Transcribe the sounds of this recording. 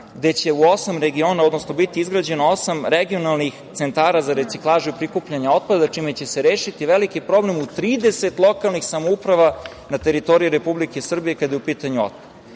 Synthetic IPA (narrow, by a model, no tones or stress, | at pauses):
ɡd̪e̞t͡ɕe̞uosamɾeɡio̞naod̪nosno̞bit̪iizɡɾad͡ʑenoosamɾeɡio̞nalnixt̪sent̪aːɾazaɾet̪siklˠaːʒuipɾikupʎaɲao̞t̪̚pad̪at͡ʂimet͡ɕe̞seɾeːʃit̪iʋe̞likipɾo̞ble̞mut̪ɾiːd̪e̞se̞t̪lˠo̞kalˠnixsamoupɾaʋa | nat̪e̞ɾit̪o̞ɾijuɾepublikesr̩bijekad̪jeupiːt̪aɲuo̰t̪̚pad̪a